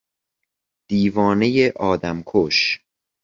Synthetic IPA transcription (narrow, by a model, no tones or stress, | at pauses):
d̪̥iːvɒːne̞jeʔɒːd̪æmkʰoʃ